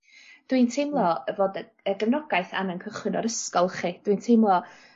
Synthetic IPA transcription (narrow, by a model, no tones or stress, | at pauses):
d̥wintʰejmlˠɔəvoːdə | əɡəvnɔɡ̥ajθa̰nənkʰəχwɨnɔɾəskɔlˠχid̥wintʰejmlˠɔ